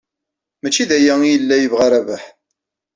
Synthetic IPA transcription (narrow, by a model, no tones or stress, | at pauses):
mæt͡ʃːiðæjæjəlːæjəvʁaɾævaħ